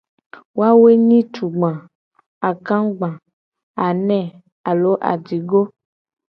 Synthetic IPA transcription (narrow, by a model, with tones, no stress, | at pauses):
wo˦a˦we˦ɲĩ˦tu˨ɡ͡bã˨ | a˨kã˦ɡ͡bã˨ | a˨nɛ̃˦˨ | a˨lo˨˦ʔa̰˨d͡ʒi˨ɡo˦